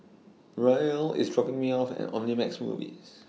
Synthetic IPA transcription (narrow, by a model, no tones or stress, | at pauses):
ɹajəlɪ̰sdɹɔpɪ̃ŋmiafɛ̰̃nɔ̰̃mnimɛksmṵːvḭs